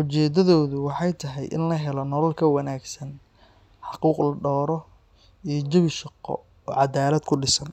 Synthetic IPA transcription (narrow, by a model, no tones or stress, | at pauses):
ʔʊt͡ʃɛːd̪ɐðɔːðʊwɑħɑjt̪ʰɐɦɛjʔɪ̰nlɐɦɛlɔnɔlɐlkʰɐwɐnaːɡsɐn | ħɑquːqlɐɖɔːɾɔ | ijɞd͡ʒɐβɪʃɑqːɔ̰ | ɔːʕɑd̪aːlɐd̪kʰʊɖɪsɐn